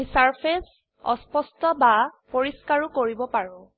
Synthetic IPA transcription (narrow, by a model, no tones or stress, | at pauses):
isaɹpʰes | ɔ̰spɔstɔbapoɹiskaɹukoɹibɔpaɹʊ̃